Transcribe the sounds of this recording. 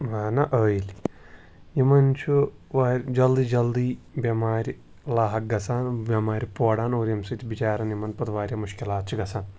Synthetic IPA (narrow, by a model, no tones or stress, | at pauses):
ʋaːnɐʔəːjilʲi | jimɐnt͡ʃʰuʋaːɾʲd͡ʒɐld̪id͡ʒɐld̪iːbjɐmaːɾʲi | laːɦɐk̚ɡɐsaːnbjɐmaːɾʲipoːɽaːnoːɾjɐmsɨt̪ʰibit͡ʃaːɾɐnjimɐnpɐt̪ʋaːɾʲjaːmuʃkilaːt̪̚t͡ʃʰiɡɐsaːn